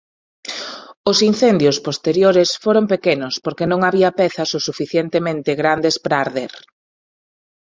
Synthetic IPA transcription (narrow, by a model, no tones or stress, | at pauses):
ʊsin̟θend̪jospost̪eɾjoɾesfoɾompekenʊspoɾkenõŋaβiɐpɛθɐsosufiθjent̪emẽnt̪ɪɣɾand̪espɾaːɾðeɾ